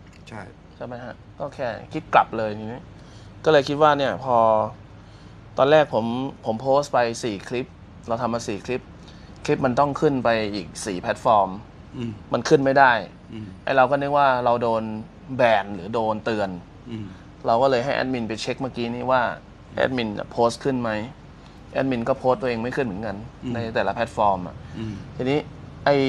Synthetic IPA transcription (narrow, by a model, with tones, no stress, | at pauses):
t͡ɕʰa˥˩jma˦˥jɦa˦˥ʔkɔː˥˩kʰɛː˥˩kʰi˦˥t̪̚kla˨˩p̚lɤː˧jt̪ʰiː˧niː˦˥ | kɔː˥˩lɤː˧jkʰi˦˥t̪̚waː˥˩ni˥˩əpʰɔː˧ | t̪ɔː˧nlɛː˥˩k̚pʰo˩˦mpʰo˩˦mpʰoː˦˥st̪pa˧jsiː˨˩kʰli˦˥p̚ | ɾa˧wt̪ʰa˧mːa˧siː˨˩kʰli˦˥p̚ | kʰli˦˥p̚ma˧nt̪ɔ˥˩ŋkʰɯ˥˩npa˧jʔiː˨˩k̚siː˨˩pʰɛ˦˥t̪̚fɔː˧mː | a˧nkʰɯ˥˩nma˥˩jdaː˥˩j | ʔa̰˧˩jɾa˧wkɔː˥˩nɯ˦˥k̚waː˥˩ɾa˧wdoː˧n | bɛː˧˩nlɯː˩˦˥doː˧nt̪ɯ˧ən | ɾa˧wkɔː˥˩lɤː˧jɦa˥˩jʔɛ̰˦˥t̪̚mi˧npa˧jt͡ɕʰe˦˥k̚maː˥˩kiː˦˥niː˥˩waː˥˩ | ʔɛ̰˦˥t̪̚mi˧na̰˨˧˩pʰoː˦˥st̪̚kʰɯ˥˩nma˦˥j | ʔɛ˦˥t̪̚mi˧nkɔː˥˩pʰoː˦˥st̪u˧eː˧ŋma˥˩jkʰɯ˥˩nmɯ˩˦nka˧nːa˧jt̪ɛː˨˩la˦˥pʰɛ˦˥t̪̚fɔː˧mʔa̰˨˩ʔt̪ʰiː˧niː˦˥ʔa˧˩j